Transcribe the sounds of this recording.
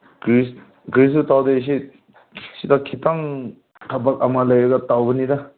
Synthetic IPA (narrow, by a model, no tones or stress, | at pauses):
kis | ɡɾis̬utawdes̬i | sidakʰitaŋ | tʰabak̚ɐmalɐjaɡɐtawbɐnida